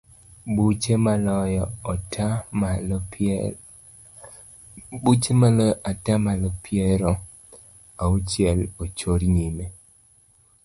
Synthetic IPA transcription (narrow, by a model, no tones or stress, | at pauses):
but͡ʃemalɔjɔta | but͡ʃemalɔʔatamalɔpjɛɾɔ | aut͡ʃjɛlot͡ʃoɾɲime